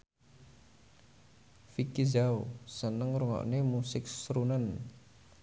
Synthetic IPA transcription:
fikizaosənəŋruŋɔ̰ʔnemusɪk̚sɾunən

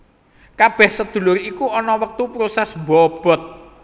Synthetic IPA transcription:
kab̥ɛhsəd̪̥ṳlʊɾikuɔnɔwək̚t̪upɾosɛsbɔb̥ɔ̤t̪̚

